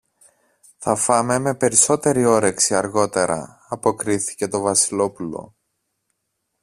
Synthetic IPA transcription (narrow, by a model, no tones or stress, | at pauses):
θɐfɐme̞me̞pe̞ɾiso̞t̪e̞ɾio̞ɾe̞ksiɐɾɣo̞t̪e̞ɾɐ̰ | ɐpo̞kɾiθi̥ce̞t̪o̞vɐsilo̞pulo̞̰